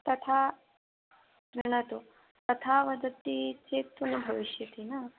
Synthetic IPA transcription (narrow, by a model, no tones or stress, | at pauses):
t̪ɐt̪ʰa | ɾiɳ̃ɐt̪u | t̪ɐt̪ʰaʋɐd̪ɐt̪ːit͡ʃeːk̚t̪unɐbʱɐʋiʃjɐt̪inɐ